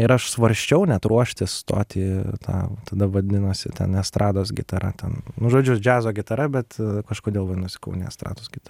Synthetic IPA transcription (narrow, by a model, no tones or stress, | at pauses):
ɪɾɐʃsʋɐɾʲsʲt͡ʃʲɛʊnʲɛt̪ɾuɔʃʲt̪ʲɪst̪o̰ːt̪ʲiːt̪ʰɑ̰ːt̪ɐd̪ɐʋɐd̪ʲɪnoːsʲɪ̰t̪ʲɛ̰nɛst̪ɾʔɑːd̪oːs̬ɡʲɪt̪ɐɾɐ̰t̪ʲɛnnʊʒoːd͡ʒʲʊd͡ʒʲæːzoːɡʲɪt̪ɐɾɐbʲɛt̪kɐʃkoːd̪ʲeːlˠʋɐnʊsʲɪ̥kɐʊnʲeɛ̰st̪ɾɑ̰ːd̪oːsɡʲɪt̪ɐɐ